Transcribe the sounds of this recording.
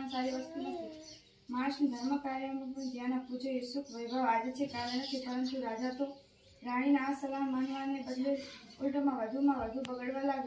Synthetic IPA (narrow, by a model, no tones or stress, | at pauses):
ãsaɾiʋəst̪unət͡ʃʰe | maʃnd̪ʱəɾməkaɾjəmuɡund͡ʒ̪jãnapud͡ʒoesukʰʋəjbʱaʋad͡ʒt͡ʃʰekaʋenakit̪ʰanõsuɾad͡ʒat̪o | ɾaɽ̃inaːsəlamanʋanebəd̪ʱeolʈəmãʋəd̪ʱumãʋəd̪ʱubəɡəɭʋãlaɡ